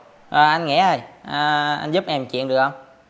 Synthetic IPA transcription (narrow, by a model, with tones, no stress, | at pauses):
ʔəː˨˩ʔa˧jnŋḭ˧˥a˧˩jʔəː˨˩ʔa̰˧n̟zu˦˥p̚ʔɛ˧mt͡ɕwḭ˧˨nɗɨ˨˩ək̚hə˧wŋ͡m